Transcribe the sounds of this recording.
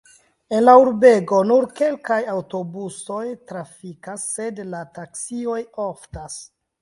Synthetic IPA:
e̞nlauɾbe̞ɡo̞nuɾke̞lkajawto̞buso̞jtɾafikasːe̞dlataksio̞joftas

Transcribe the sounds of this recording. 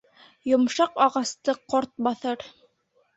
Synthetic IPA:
jŏmʃɑqɑʁɑst̪ɤqoɾt̪̚bɑθɤɾ

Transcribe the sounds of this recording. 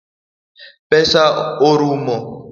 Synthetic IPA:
pʼɛsaoɾuːmɔ

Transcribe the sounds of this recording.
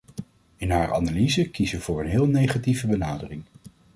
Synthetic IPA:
ɪnɦaːɹa̰nalizəkizəʋəvʊːɹənɦɪːlˠnejχativəbənaːdərɪŋ

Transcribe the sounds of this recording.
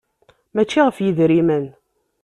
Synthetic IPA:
mæt͡ʃːiʁəfjiðɾimən

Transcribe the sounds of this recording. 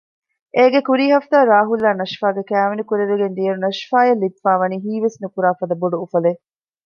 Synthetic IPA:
ʔeːɡekuɾiːɦɐft̪aːɾaːɦulːaːnɐʃfaːɡekæːʋenikuɾeɾuɡend̪ijɐɾunɐʃfaːjɐlːit̪faːʋɐniːɦiːʋesnukuɾaːfɐd̪ɐboɖuːfɐle

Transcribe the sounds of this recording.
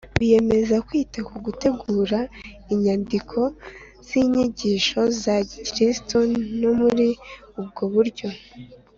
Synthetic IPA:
βije̞me̞zakwiːtakuɡute̞ɡuːɾa | iɲandikʰo̞ | z̥iɲiɟiːʃo̞zacɾistonomuɾi | ub̚ɡo̞βuɾɟo̞

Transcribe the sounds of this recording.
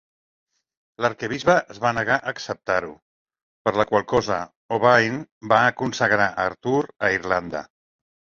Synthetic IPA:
ləɾkəβizβəʔəzβanəɣ̞aʔəksəp̚t̪aɾu | pəɾləkwalˠkɔzə | oβajnbaːkunsəɣɾaʔəɾt̪uɾəiɾland̪ə̰

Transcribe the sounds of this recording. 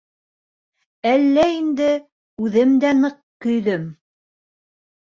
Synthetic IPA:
ælːæind̪ɘ | ʉðɘmd̪ænɤq̚ | kɵ̆jðɵm

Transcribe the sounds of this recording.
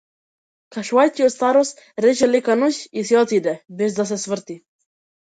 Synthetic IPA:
kaʃuvajcʲiɔt̪st̪aɾɔst̪ | ɾɛt͡ʃɛlɛkanuçisɛɔt̪id̪ɛbɛzd̪as̬ɛsvəɾt̪i

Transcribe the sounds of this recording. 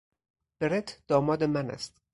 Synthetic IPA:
b̥eɾet̪ʰd̪̥ɒːmɒːd̪emænæ̰st̪

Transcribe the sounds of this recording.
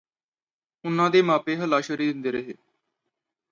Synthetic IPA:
ʊnãːd̪eːmaːpeːɦəlaːʃəɾiːd̪ɪnd̪eːɾəɦeː

